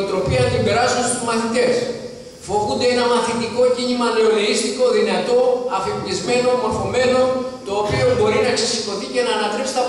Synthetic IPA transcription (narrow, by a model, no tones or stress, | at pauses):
nt̪ɾo̞piɐnt̪imbeɾɐsunst̪uzmɐθit̪e̞s | fo̞vund̪eenɐmɐθit̪iko̞cinimɐne̞oneist̪iko̞ðinɐt̪o̞ɐfeplizme̞no̞moɾfo̞me̞no̞t̪o̞ːpio̞bo̞ɾinɐksisiko̞θice̞nɐːnɐt̪ɾepsi̥t̪ɐ